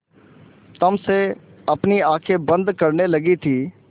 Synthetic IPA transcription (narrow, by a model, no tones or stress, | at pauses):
t̪ɐmse | ɐpniaːkʰebɐ̃nd̪kɐɾnelɐɡit̪ʰiː